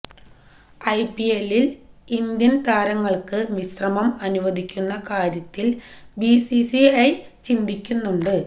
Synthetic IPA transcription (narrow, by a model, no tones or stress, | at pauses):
ɐjpielːilind̪jɐnt̪aːɾɐŋːɐɭkɨʋisrɐmɐmɐnuʋɐd̪ʱikʲːunːɐkaːɾjɐt̪ːilbisisiɐj | t͡ɕind̪ikʲːunːuɳɖɨ